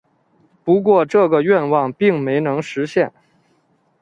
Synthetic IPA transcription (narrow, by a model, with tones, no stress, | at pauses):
pu˧˥k̬wɔ˥˧ʈ͡ʂɤ˥˩ɡə˩ɥɛ˥˧nwɑ˥˩ŋpi˥˩ŋme˧˥ɪnɤ˧˥ŋʂɻ̩˧˥ɕjɛ˥˩n